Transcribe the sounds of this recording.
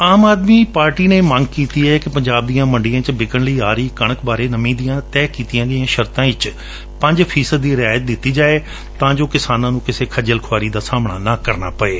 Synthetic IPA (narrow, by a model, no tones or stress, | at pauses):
aːmaːd̪miːpaːɾʈiːneːmə̃ŋɡkiːt̪iːɛkɪpəɲd͡ʒaːb̚d̪ijãːməɳɖijãːt͡ʃbɪkəɳləiːaːɾəiːkəɽ̃əkbaːɾeːnəmĩːd̪ijãːt̪ɛːkiːt̪ijãːɡəɪãːʃəɾt̪ãːɪt͡ʃ | pə̃ɲd͡ʒpʰiːsəd̪ːiːɾɪaːjət̪̚d̪ɪt̪ːiːd͡ʒaːeː | t̪ãːd͡ʒoːkɪsaːnãːnũːkɪseːkʰəd͡ʒəlkʰwaːɾiːd̪aːsaːmɽa̰ːnaːkəɾna̰ːpəeː